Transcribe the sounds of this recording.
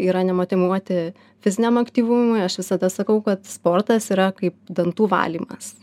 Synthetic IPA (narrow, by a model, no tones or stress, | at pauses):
iːɾɐnʲɛmoːt̪ʲɪmuɔt̪ʲɪ | fʲɪzʲɪnʲɛmɐkt̪ʲiːʋʊmʊɪɐʃʋʲɪsɐd̪ɐsɐkɐʊkɐt̪spoːrt̪ɐsiːɾɐkɐɪp̚d̪ɐnt̪uːʋɑ̰ːlʲiːmɐs